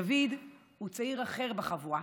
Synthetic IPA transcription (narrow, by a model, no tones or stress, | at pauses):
avid̪ | hut͡saiʁaχe̞ʁbeχavua